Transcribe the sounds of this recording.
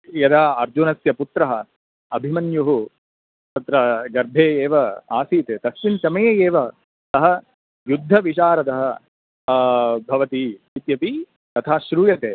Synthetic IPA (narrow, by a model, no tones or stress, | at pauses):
jɐd̪aːɐɾd͡ʒunɐsjɐput̪ɾɐɦɐ | ɐbʱimɐnjuɦu | t̪ɐt̪ɾɐɡɐɾbʱeːeːʋɐa̰ːsiːt̪eːt̪ɐsʋint͡ʃɐmɐjeːjeːʋɐ | sɐɦɐ | jud̪ʱːɐʋiʃaːɾɐt̪ɐɦɐ̆ | bʱɐʋɐt̪i | it̪jɐpi | t̪ɐt̪ʰaːʃɾuːjɐt̪eː